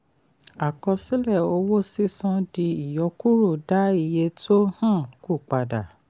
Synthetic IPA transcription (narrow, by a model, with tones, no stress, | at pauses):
a˨kɔ̃˧si˦lɛ˦˨o˧wo˦si˦sɔ̃˧di˧i˨jɔ˧˦ku˦ɾu˦˨da˨˦i˦˨je˧tʰo˦hã˦˨ku˦˨k͡pa˨da˨